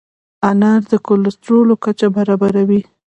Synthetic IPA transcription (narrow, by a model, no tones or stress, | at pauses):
anɑɾd̪əkolʊst̪ɾolokat͡ʃabaɾɑbaɾawi